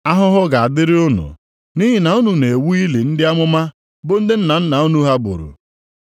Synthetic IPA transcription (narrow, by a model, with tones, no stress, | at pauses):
a˦ɦʊ˦ɦʊ˦ɡa˨a˨dɪ˦ɾɪ˦ʊ˦nʊ̰˨ | ni˦ɦɪ˨na˨ʊ˦nu˨ne˨wu˦i˦li˨n̩˦dɪ˦a˦mʊ˦ma˦ | bʊ˦n̩˦dɪ˦n̩˦na˨n̩˦na˨u˦nu˦ɦa˦bʊ̰˨ɾṵ˨